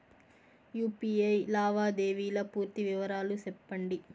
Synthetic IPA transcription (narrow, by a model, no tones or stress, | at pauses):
juːpiːɐjlaːʋaːd̪eːʋiːlɐpuːɾt̪iʋiʋɐɾaːlusɛpːɐɳɖi